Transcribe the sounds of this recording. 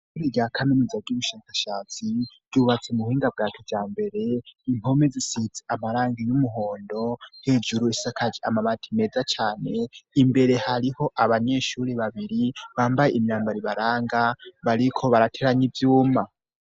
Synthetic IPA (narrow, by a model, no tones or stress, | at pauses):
kuɾiɟakʰanenizaɡuβuʃaːkaʃaːt͡siɡɟ̥uβat͡semuhiːŋɡab̚ɡaːkʰevjaːmbe̞ɾe̞imho̞me̞zisihit͡seamaɾaːŋɡijumuɦo̞ːndo̞he̞ːd͡ʒuɾuisakad͡ʒiamamatʰime̞ːzat͡ʃaːne̞imbe̞ɾe̞haɾiho̞ʔaβaɲe̞ʃuɾeβaβiɾiβaːmbajeimjaːmbaɾiβaɾaːŋɡaβaɾikʰo̞βaɾatʰe̞ɾaɲivjuːma